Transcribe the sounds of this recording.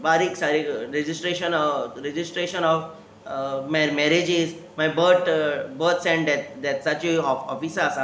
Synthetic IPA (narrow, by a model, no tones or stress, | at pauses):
baɾiksaɾiɾed͡ʑisʈɾeʃənɔɾed͡ʑisʈɾeʃənɔf | mɛɾmɛɾed͡ʑiz | majbəɾʈbəɾt̪sɛ̃ɳʈd̪ɛt̪d̪ɛtsat͡ɕiɔɔ̰fisasa